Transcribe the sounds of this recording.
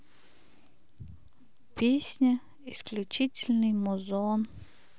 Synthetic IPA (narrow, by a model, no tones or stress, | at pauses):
pʲesʲnʲə | ɪsklʲut͡ɕitʲɪlʲnɨjmʊzon